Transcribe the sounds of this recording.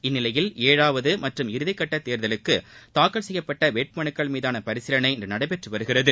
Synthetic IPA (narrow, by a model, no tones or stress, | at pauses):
ɪnːɪlɐjɪleːɻaːʋɐðɯmɐʈrɯmɪɾɯðɪkːɐʈːɐt̪ːeːɾðɐlɯkːɯt̪aːkːɐɭsɛjːɐpːɐʈːɐʋeːʈ̚mɐɳɯkːɐɭmiːðaːnɐpɐɾɪsɪɾɐnɐɪɪndrɐnɐɽɐɪpɛʈrɯʋɐɾɯɣɪrɐðɯ